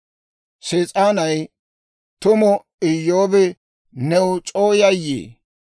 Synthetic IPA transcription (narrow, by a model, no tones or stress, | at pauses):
seːt͡sʼaːnɐj | t̪ʊmɔ | ɪjːoːbɛ | nɛwʊt͡ʃʼoːjɐjːḛː